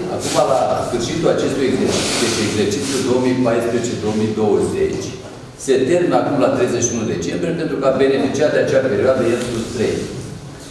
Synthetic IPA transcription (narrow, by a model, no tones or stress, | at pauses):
a̰kumalasfɨrʃit̪ulat͡ʃe̞st̪ujeɡze̞rt͡ʃi̥t̪d̪et͡ʃeeɡze̞rt͡ʃit̪sʲjud̪o̞omijpajspɾeet͡ʃe̞d̪o̞omid̪o̞wəze̞t͡ʃʲ | se̞t̪erminəakumlat̪ɾe̞jzeʃiunud̪e̞t͡ʃe̞mbɾije̞pent̪ɾukəabe̞ne̞fit͡ʃiat̪̚d̪eat͡ʃeape̞ɾioad̪əjelsust̪ɾḛj